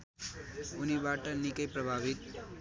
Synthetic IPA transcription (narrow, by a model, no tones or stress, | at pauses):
unibaʈənikəjpɾəbʱaːbit̪̚